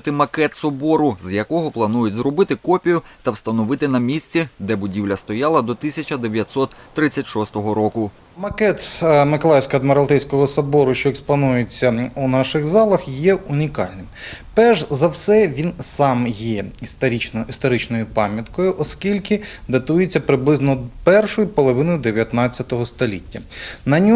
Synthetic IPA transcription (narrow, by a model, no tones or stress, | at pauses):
t̪ɪmɐkɛt̪sɔbɔɾʊzjɐkɔɦɔplˠɐnujʊtʲzɾɔbɪt̪ɪkɔpʲijʊt̪ɐwst̪ɐnɔʋɪt̪ɪnɐmʲisʲt͡sʲid̪ɛbʊdʲiwlʲɐst̪ɔjɑlˠɐd̪ɔt̪ɪsʲɐt͡ʃɐd̪eʋʲjɐt̪ʲsɔt̪ːɾɪt͡sʲːɐtʲʃɔst̪ɔɦɔɾɔkʊ | mɐkɛt̪mɪkɔlˠɑjsʲkɐd̪meɾɐlˠt̪ɛjsʲkɔɦɔsɐbɔɾʊʃt͡ʃɔɛkspɐnujɪt͡sʲːɐunɑʃɪɣzɑlˠɐxjɛunʲikɑlʲnɪmpɛʒzɐwsɛʋʲinsɑmjɛist̪ɐɾʲit͡ʃnist̪ɔɾɪt͡ʃnɔjʊpɑmʲjɐt̪kɔjʊʔɔskʲilʲkɪd̪ɐt̪ujet͡sʲːɐpɾɪblˠɪznɔpɛrʃɔjʊpɔlˠɔʋɪnɔjʊd̪eʋʲjɐt̪nɑt͡sʲːɐt̪ɔɦɔst̪ɔlʲitʲːɐnɐnʲɔ